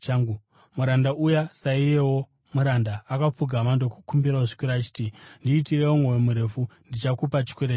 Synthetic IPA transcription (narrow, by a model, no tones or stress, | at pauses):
ŋɡu | muɾandaʔujasaije̞wo̞ | muɾandaːkap͡fuɡʱamandoku̥kumbiɾaoʐikuɾat͡ʃi̥tindiːtirewomwowemuɾe̞fundit͡ʃakupat͡ʃi̥kwe̞ɾe